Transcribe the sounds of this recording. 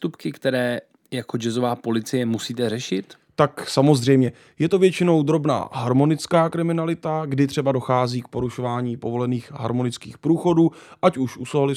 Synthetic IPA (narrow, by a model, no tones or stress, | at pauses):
st̪upkɪkt̪ɛɾɛː | jakod͡ʒɛzovaːpo̞lɪt͡sɪjɛmusiːt̪ɛrɛʃɪt̪ | t̪aksamo̞zr̝ɛjmɲɛ | jɛt̪o̞vjɛt͡ʃɪno̞wd̪ɾo̞bna̰ːɦaɾmo̞nɪt͡skaːkɾɪmɪnalɪt̪aɡdɪt̪r̥ɛbado̞xaːziːk̚po̞ɾuʃo̞vaːɲiːpo̞vo̞lɛniːxɦa̰ɾmo̞nɪt͡skḭːxpɾuːxo̞duːʔacuʃʔusoalɪ